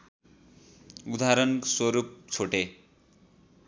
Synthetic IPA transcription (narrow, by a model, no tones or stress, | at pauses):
ud̪aɾʌnswʌɾup̚t͡sʰoʈe